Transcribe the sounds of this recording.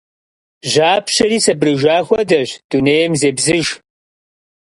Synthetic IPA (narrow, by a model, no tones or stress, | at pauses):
ʒaːpɕɐɾiːsɐbrɨʒaːxʷɔdɐʑd̥uneːjɛmzeːbzɨʒ